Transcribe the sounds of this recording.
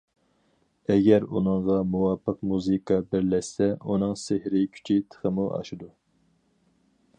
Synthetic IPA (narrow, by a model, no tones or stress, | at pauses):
ɛɡʲɛɾunɨŋʁɑmuwɑːpʰːəqmuzɨkʰɑbɪɾlɛʃsɛunɨŋsehɾɪkʲʰy̥t͡ʃʰit̪ʰə̥χəmuʔɑ̰ʃud̪u